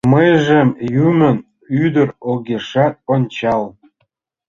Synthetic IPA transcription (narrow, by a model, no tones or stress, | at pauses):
məjʒemjymə̆n | yd̪əɾoɣeʃɑt̪̚onʲt͡ɕɑl